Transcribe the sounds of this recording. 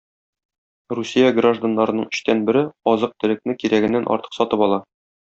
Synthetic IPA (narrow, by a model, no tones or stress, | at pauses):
rusʲijaɡraʒd̪anːɑɾɤ̆nɤɴɘ̆ɕt̪ænbɘ̆ɾɘɒzɤq̚t̪ɘ̆lɘ̆k̚nɘkiɾæɡɘ̆nːænʔɒ̰ɾt̪ɤ̥qsɒt̪ɤpɒlˠɑ